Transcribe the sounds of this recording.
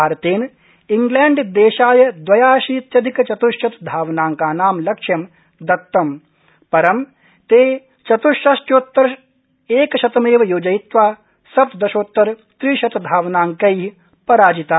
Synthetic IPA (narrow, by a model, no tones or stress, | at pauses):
aːɾɐt̪eːn | iŋɡlɛːɳɖd̪eːʃaːjɐd̪ʋɐjaːʃiːt̪jɐd̪ʱikɐt͡ʃɐt̪uʃjɐt̪d̪ʱaːʋnaːŋkaːnaːmlɐkʂjɐm | d̪ɐt̪ːɐm | pɐɾɐm | t̪eː | t͡ʃɐt̪uʃɐʃʈjoːt̪ːɐɾ | eːkɐʃɐt̪ɐmeːʋɐjoːd͡ʒɐjt̪ʋaː | sɐpt̪d̪ɐʃoːt̪ːɐɾ | t̪ɾiːʃɐt̪ɐd̪ʱaːʋnaːŋkɐjɦi | pɐɾaːd͡ʒit̪aː